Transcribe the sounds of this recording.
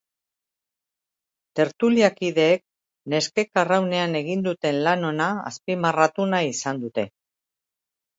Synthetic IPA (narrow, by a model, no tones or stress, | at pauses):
t̪e̞ɾt̪uliakiðe̞ːk̚ | ne̞ske̞karawne̞ane̞ɣ̞ind̪ut̪e̞nlano̞naa̰spimarat̪unaisand̪ut̪e̞